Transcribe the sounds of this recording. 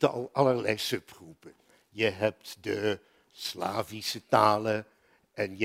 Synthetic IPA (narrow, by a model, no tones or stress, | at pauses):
təɑ̰lˠɑləɹlɛjsɵpχupə | jəɦɛp̚tdə | sla̰ːvisətaːlə | ɛnj